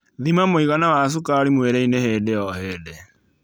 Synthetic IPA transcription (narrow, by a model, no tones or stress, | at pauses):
ðimamoiɣanawas̬ukaɾimweɾɛineheːdeɔɦeːde